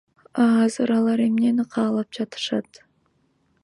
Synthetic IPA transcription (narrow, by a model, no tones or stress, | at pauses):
ɑːzɨɾɑlˠɑɾe̞mne̞nqʰɑːlˠɑp̚d͡ʒɑt̪ɯ̥ʃɑt̪